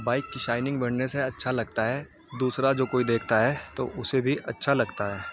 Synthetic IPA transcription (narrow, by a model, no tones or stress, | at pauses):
baːɪkːiʃaːɪnɪ̃ŋɡbɐɽneseɐtːʃʰalɐɡt̪aɦɛː | d̪uːsɾad͡ʒoːkoːid̪eːkʰt̪aɦɛːt̪o̰ʔʊsebʱiʔɐtːʃʰalɐɡt̪aɦɛː